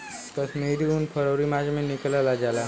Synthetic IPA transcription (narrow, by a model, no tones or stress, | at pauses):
kəsmeːɾiunpʰəɾoːɾimaːd͡ʒmẽnɪklalad͡ʒaːlaː